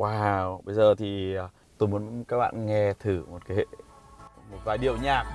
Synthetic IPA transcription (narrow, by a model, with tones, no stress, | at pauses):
waː˨˩wɓə˧jzəː˨˩t̪ʰi˨˩˨ | t̪o˧jmu˨˦ə˦nkaː˦˥k̚ɓa̰ː˧˨nŋɛ˧t̪ʰɨ˧˩mo˨˩t̚kaː˨˦e˧ | mo˨˩t̚vaː˨˩jɗi˨˩əwɲaː˨˩k̚